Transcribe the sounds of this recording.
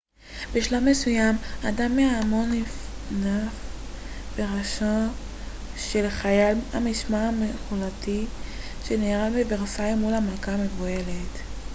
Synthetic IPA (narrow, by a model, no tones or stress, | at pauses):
beʃlammːesujamadamːeamo̞nif | naf | b̥eʁaʃa | ʃe̞lχajala̰miʃmaameχulati | ʃeneːʁalbeveʁsaimːulamalkame̞vue̞let